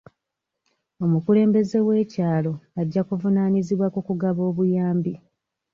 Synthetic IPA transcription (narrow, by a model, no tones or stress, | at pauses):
o̞mukule̞ːmbe̞ze̞we̞ːcaːlo̞aɟːakuvunaːniziβwakukuɡaβo̞ːβujaːmbi